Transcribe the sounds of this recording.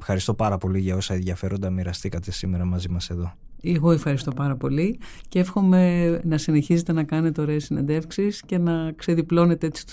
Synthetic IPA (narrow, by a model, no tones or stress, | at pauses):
efxɐɾist̪o̞pɐɾɐpo̞liʝɐo̞sɐenðʝɐfe̞ɾo̞nd̪ɐmiɾɐst̪ikɐt̪e̞sime̞ɾɐmɐzimɐse̞ðo̞ | eɣo̞efxɐɾist̪o̞pɐɾɐpo̞lice̞fxo̞me̞nɐsine̞çize̞t̪e̞nɐkɐne̞t̪eo̞ɾe̞ːsine̞nd̪e̞fksisce̞nɐkse̞ðiplo̞ne̞t̪ee̞t͡si̥t̪u̥